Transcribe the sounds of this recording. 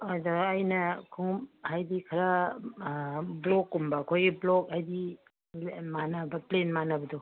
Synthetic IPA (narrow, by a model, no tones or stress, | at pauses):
adoːjnɐkʰuŋmhajdikʰɐɾa | blɔkːumbɐkʰojɡiblɔkajdi | manɐbɐplenmanɐbɐdo